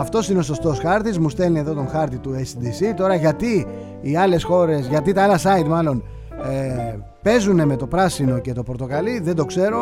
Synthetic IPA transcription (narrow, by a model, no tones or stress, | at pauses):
ɐft̪o̞sine̞o̞so̞st̪o̞sxɐɾt̪izmust̪e̞lnieðo̞t̪o̞ŋxɐɾt̪it̪uesd̪isit̪o̞ɾɐʝɐt̪iː | ɐle̞sxo̞ɾe̞sʝɐt̪it̪ɐɐlɐsɐit̪mɐlo̞n | pe̞zune̞me̞t̪o̞pɾɐsino̞ce̞t̪o̞pɾot̪o̞kɐliðe̞nd̪o̞kse̞ɾo̞